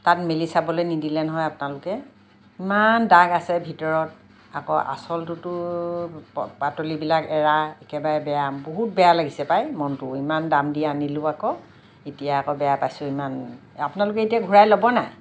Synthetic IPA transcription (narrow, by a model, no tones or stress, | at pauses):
tatmelisabɔlojnidilɛnɔɦɔjapʊnalʊkɛ | imandaɡasɛbʱitɔɹɔt | a̰kɔ̰ʔa̰sɔltʊtʊ | patolibilakɛɹaɛkɛbaɹɛbɛjaboɦut̚bɛjalaɡisɛpajmɔntʊimandamdianilʊakɔ | etijaːkɔbɛjapajsʊiman | a̰pʊnalʊk̬ɛetijaɡʱuɹajlobɔnaj